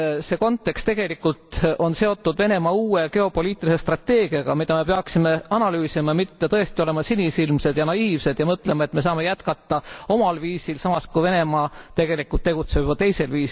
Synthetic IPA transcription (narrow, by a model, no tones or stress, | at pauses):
se̞ːko̞nt̪ːˑe̞kst̪eɡ̥e̞likːˑult̪o̞nse̞o̞t̪ːud̪ve̞ne̞mɑuːeke̞o̞po̞lʲiːt̪ːˑilise̞st̪rɑt̪ːe̞ːɡ̥iɑɡ̥ɑmid̪̥ɑme̞p̬e̞ɑksime̞ɑnɑlyːsimɑmit̪ːe̞t̪ɤ̞e̞st̪io̞le̞mɑsinʲisilmse̞d̪jɑnɑiːvse̞d̪̥jɑmɤt̪ːˑle̞mɑet̪me̞s̬ɑːme̞jæt̪kɑt̪ːˑɑo̞mɑlviːsilsɑmɑskujve̞ne̞mɑːt̪e̞ɡ̥e̞likːˑult̪ːe̞ɡ̥ut̪se̞vɑt̪e̞jse̞lviːsi